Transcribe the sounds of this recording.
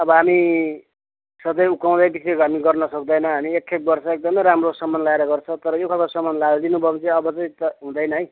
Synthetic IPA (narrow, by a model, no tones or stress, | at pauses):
ʌbʌɦami | sʌd̪ʌjukaw̃d̪ʌjbisekoamiɡʌrnʌsʌk̚d̪ʌjnʌɦamiekʰek̚bʌrsʌek̚d̪ʌmʌjɾamrosʌmːʌnlaeɾʌɡʌrt͡sʰʌt̪ʌɾʌjokʰʌtasʌmːʌnlald̪inubʱʌbt͡sĩʌbʌt͡sʌj̃t̪ʌɦũd̪ʌjnʌɦʌj